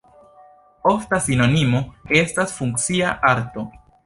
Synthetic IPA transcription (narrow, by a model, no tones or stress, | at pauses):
o̞ftasino̞nimo̞e̞stasfuŋkt͡siaʔaɾto̞